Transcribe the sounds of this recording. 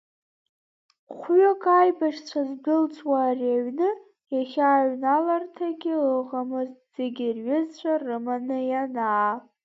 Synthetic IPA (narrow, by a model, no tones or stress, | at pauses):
χʷɥokʼajbaʂt͡ɕʷʰazɡɨlt͡sʷʼwaːraɥnɨ | jaχʲaːɥnalartʰaɡʲɪəʁamɨztz̥eɡʲɪrɥɪzt͡ɕʷʰarɨmanɨjanaː